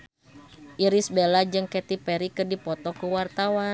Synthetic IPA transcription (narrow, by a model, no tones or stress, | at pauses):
ʔiɾisbelad͡ʒɨŋkɛt̪ipɛɾikɨrdipɔt̪ɔkəwart̪awa